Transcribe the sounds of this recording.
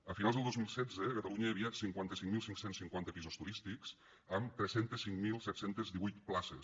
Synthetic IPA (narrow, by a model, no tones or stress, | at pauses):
əfinalˠzðəlˠozmilˠsɛd͡zəkət̪əluɲəəːβiat̪siŋkwant̪əsiŋmilˠsiŋksensiŋkwant̪əpizost̪uɾist̪ikz̥ | əmt̪ɾɛsent̪əsiŋmilˠsɛt̪sent̪əzðiβujt̪plasə